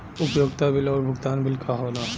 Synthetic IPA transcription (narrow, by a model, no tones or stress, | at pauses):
ʊpjoɡt̪abɪlɔːɾbʱʊɡt̪aːnbɪlkʰaɦoːna